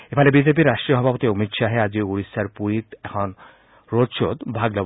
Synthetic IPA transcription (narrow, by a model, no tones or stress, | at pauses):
epʰalebid͡ʑep̬iɾaʃʈɾijoɦɔbʱapot̪iomit̪ʃaɦead͡ʑiuɾisaɾpuɾit̪ɛkʰɔn | ɾoʃod̪bʱaɡlɔ